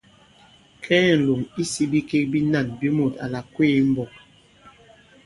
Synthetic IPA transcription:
kʰɛː˦n̩˨lo˨ŋi˦si˦bi˦ke˦k̚bi˦na˦˨nbi˦mo˨ta̰˨la˨kweː˦˨˦m̩˦bɔ˨

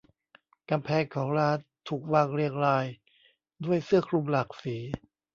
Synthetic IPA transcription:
ka˧mpʰɛː˧ŋkʰɔː˩˦ŋɾaː˧˥t̪ʰːuː˨˩k̚waː˥˩ŋɾi˥˩ək̚ɾaː˧j | du˥˩əjsɯ˥˩əkʰlu˧mla˨˩k̚siː˩˦

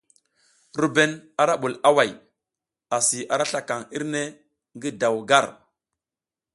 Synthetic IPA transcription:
ɾu˨be˦na˨ɾa˦ɓu˨la˦wa˨j | a˨si˨ʔa˨ɾa˦ɬa˨ka˨ŋi˦ɾne˦ | ŋɡi˦da˨wɡa˦˨ɾ

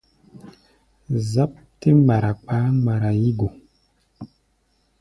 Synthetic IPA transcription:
za˦p̚te˦ma˨ɾa˨k͡pa˨˦ma˨ɾa˨ji˦ɡo˨

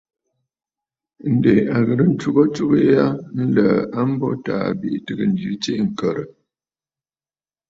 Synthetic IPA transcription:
n̩˨de˨a˨ɣə˨ɾə˦n̩˦tu˦ɣɔ˦t͡ʃu˦ɣə˦ja˦n̩˦lə̰˨a˦m̩˦bɔ̰˦ta̰ː˨bi˨ʔtɨ˦ɡə˨n̩˨d͡ʒʉ˨˦t͡ʃe˦˨ŋ̩˨kə˨ɾə˨

